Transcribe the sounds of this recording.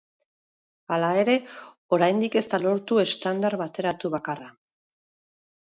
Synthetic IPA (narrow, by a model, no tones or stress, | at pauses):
alae̞ɾe̞ | o̞ɾajnd̪ike̞st̪alo̞ɾt̪ue̞st̪and̪aɾβat̪e̞ɾat̪uβakara